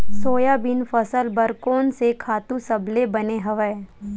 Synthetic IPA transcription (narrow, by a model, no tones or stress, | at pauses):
soːjabɪnfɐsəlbəɾkoːnsekʰaːt̪ũsɐblebɐneɦɐʋəe